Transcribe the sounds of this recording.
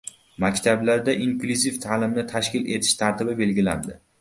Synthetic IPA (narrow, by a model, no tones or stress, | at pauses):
makʲt̪ʰablaɾd̪aʔiŋkluzift̪ʰaːlɪmnɪt̪ʰaʃkʲɪle̞t̪ʰɪ̥ʃt̪ʰaɾt̪ɪbɪbe̞lɡʲɪla̰nd̪ɪ